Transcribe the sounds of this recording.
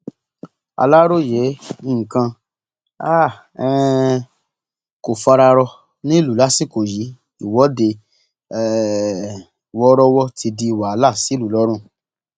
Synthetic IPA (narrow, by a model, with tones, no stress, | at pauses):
a̰˧la˦ɾo˦˨jɛ˨˦i˦˨ŋ̩˨kã˧ | a˦˨ | ɛ˧ | ko˨fa˧ɾa˧ɾɔ˧ | nĩ˦lu˨la˨˦si˦˨ko˨ji˨˦ | i˨wɔ˨˦de˧ | ɛ˨ | wɔ˦ɾɔ˦wɔ˦tʰi˧di˧˨wa˨˧˦la˦˨si˨˦lu˨lɔ˦ɾ̃ũ˦˨